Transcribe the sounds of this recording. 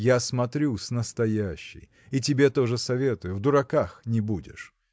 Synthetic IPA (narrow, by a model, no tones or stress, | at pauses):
jasmɐt̪ɾʲusnəst̪ɐjæɕːɪ̰j | itʲɪbʲe̞t̪o̞ʐɨsɐvʲe̞t̪ʊjʊvd̪ʊɾɐkaxnʲɪbudʲɪ̰ʂ